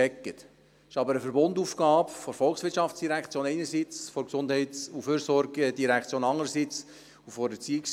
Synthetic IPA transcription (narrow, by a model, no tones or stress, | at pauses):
ɛkːət̪ | ɪʃɑbəɾəfəɾbond̪uːfɡ̥ɑːpfɔɾfɔlχsʋɪtʃɑft͡sd̥iɾækt͡sjoːnɛɪnəɾsit͡sfɔɾksʊnd̥̪hɛɪt͡suføːɾsɔɾɡəd̥iɾækχt͡sjoːnɑŋəɾəsit͡s | ufɔɾɛt͡siɪks